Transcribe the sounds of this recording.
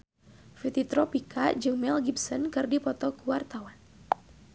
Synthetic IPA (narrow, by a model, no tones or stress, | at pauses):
fit̪it̪ɾɔpikad͡ʒɨŋmɛlɡipsənkɨrdipɔt̪ɔkuwart̪awan